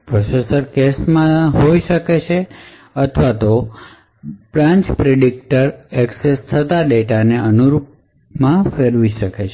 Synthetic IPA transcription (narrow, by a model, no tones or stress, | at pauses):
pɾosesəɾkesmãɦoiʃəket͡ʃʰe | ət̪ʰʋat̪o | b̥ɾãɲt͡ʃpɾeɖik̚ʈəɾeksest̪ʰət̪aɖeʈaneənuɾup̚ | mãfeɾʋiʃəket͡ʃʰe